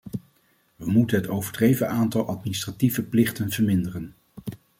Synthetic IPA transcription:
ʋəmutənɦətowvəɹdrejvəʔaːntɑlˠʔɑtministrativəplɪχtənv̥əɹmɪndərən

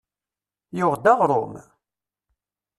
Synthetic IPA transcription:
jʊʁd̪ɑʁɾˤo̰m

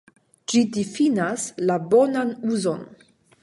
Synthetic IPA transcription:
d͡ʒidifinaslabo̞nanuzon

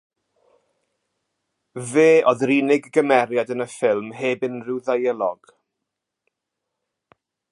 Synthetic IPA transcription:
veːʔɔðriːnɪɡɡəmɛɾjadənəfɪlˠmɦeːbɪnrɪwðajəlˠɔ̰ɡ̥

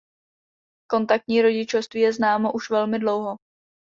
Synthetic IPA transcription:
ko̞nt̪ak̚t̪ɲiːɾo̞ɟɪt͡ʃofst̪viːjɛznaːmo̞ʔuʃvɛlmɪdlo̞wɦo

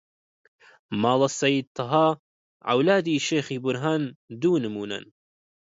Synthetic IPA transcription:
mɑːlˠɑsɐjiːd̪̚t̪ʰɑɦaː | ʕa̰wlaːd̪iːʃeːxiːbʊɾɦaːnd̪uːnɨmuːna̰n

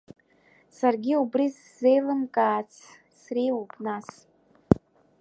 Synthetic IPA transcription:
sarɡʲiubriz | zejlɨnkʼaːt͡sʰ | srejwupʼnas

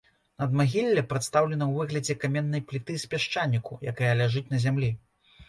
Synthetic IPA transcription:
nɐd̪maɣʲilʲːɐpɾɐt̪st̪awlʲɛnɐwvɨɣlʲɐd͡zʲɛkamʲɛnːɐjplʲit̪ɨspʲaʂt͡ʂanʲːikujakajɐlʲaʐɨt͡sʲnɐzʲamlʲi

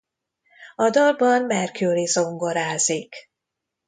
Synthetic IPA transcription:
ɒd̪ɒlbɒnmɛrkʰylizo̞ŋɡo̞ɾaːzik

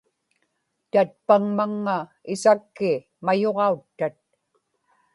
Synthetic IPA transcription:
t̪at̪̚paŋmaŋːaɪsakːɪ | majoʁɑut̪ːat̪̚

